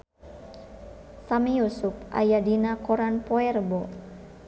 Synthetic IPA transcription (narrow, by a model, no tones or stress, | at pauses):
samijusupʔa̰jadinakɔɾanpɔɛɾəbɔ